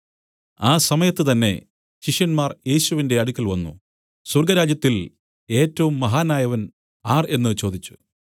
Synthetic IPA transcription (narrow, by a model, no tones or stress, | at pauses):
aːsɐmɐjɐt̪ːɨt̪ɐnːe̞̰ | ɕiʂjɐnmaːrje̞ːɕuʋinde̞ɐɽukʲːɐlʋɐnːṵ | surɡɐɾaːd͡ʑjɐt̪ːil | e̞ːtːɐʋumːɐɦaːnaːjɐʋɐn | aːre̞nːɨt͡ɕo̞ːd̪it͡ɕːu̥